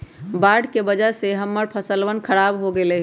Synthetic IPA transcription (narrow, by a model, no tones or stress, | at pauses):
baɖkebəd͡ʒəɾseɦəmːəɾpʰəsəlʋənkʰəɾabɦoɡelɛɦ